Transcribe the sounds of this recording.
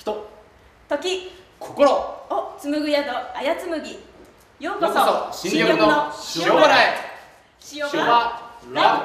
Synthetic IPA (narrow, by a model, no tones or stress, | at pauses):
çi̥t̪o | t̪o̞kʲikʰokoɾoot͡sɨmɯ̟ɡɯ̟jad̪oajat͡sɨmɯ̟ɡʲi | joːkosoĩoɡoɯnonoɕoaɾai | iooaa